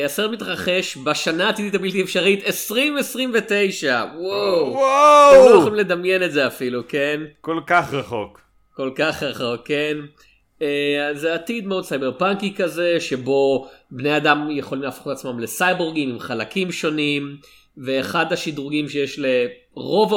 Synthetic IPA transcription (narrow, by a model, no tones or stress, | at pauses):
asemit̪ʁaχe̞ʃbaʃanaːt̪id̪it̪abilt̪iefʃaʁit̪esʁimesʁimve̞t̪e̞jʃawawwaolχimle̞d̪amje̞netzeafiluke̞nkolkaχʁaχok | ko̞lkaχʁaχo̞kːe̞n | eazeat̪id̪meo̞dsajbe̞ʁpaŋkikaze̞ʃe̞bo̞bnejadamje̞χo̞limlafχut̪at͡smamle̞sajboʁɡimimχalakimʃo̞nim | ve̞ːχadaʃidʁuɡimʃe̞jeʃle̞ | ʁo̞va